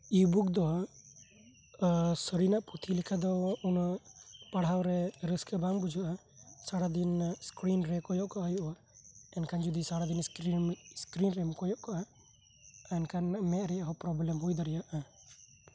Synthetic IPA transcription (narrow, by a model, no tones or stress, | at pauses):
ibukd̪ɔ | səɾinaʔput̪ʰilɛkʰad̪ɔunapaɽ̤awɾɛɾəskɛbambud͡ʒʱɔʔa | saɽad̪inskɾinɾɛkɔjɔʔkaʔɦəjuʔa | ɛnkand͡ʒud̪isaɽad̪inskiskɾinɾɛmukɔjɔʔkaʔa | ɛnkanmɛʔ̪ɾɛaɦɔpɾɔblɛmɦujd̪aɾijaʔa